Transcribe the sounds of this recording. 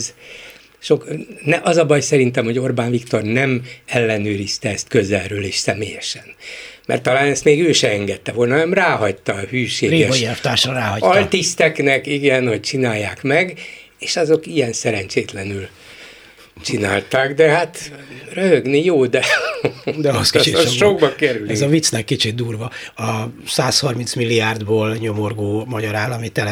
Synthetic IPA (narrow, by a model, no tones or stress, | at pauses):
z | ʃo̞knɛʔɒzɒbɒjsɛɾint̪ɛmho̞ɟo̞rbaːnvikt̪o̞rnɛmɛlːɛnøːɾist̪ɛɛst̪kø̞zɛlrøːleːʃsɛmeːjɛʃɛnmɛ̰rt̪ːɒlaːnɛst̪meːɡøːʃɛɛŋɡɛt̪ːɛvo̞lnɒɛmraːɦɒct̪ɒhyːʃeːriɛoʃiɛft̪aːʃɔɾaːhɒɒlt̪ist̪ɛknɛkiɡɛnho̞c̚t͡ʃinaːjːaːkmɛɡ | eːʃɒzo̞kijɛnsɛɾɛnt͡ʃeːt̪lɛnyl | t͡ʃina̰ːlt̪aːɡd̪ɛɦat̪røɦøɡnijoːd̪ɛ | d̪ɛskt͡ʃiʃoɡbɒkɛɾylizɒvit̪snɛkːit͡ʃit̪̚d̪uːrvɒɒsaːshɒrmint̪smilːiaːrd̪boːlɲomorɡoːmɒɟɒɾaːlɒmit̪ɛlɛ